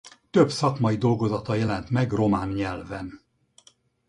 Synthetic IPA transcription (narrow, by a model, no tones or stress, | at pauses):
t̪øbsɒkmɒid̪o̞lɡo̞zɒt̪ɒjɛlɛnt̪mɛɡro̞maːnɲɛlvɛn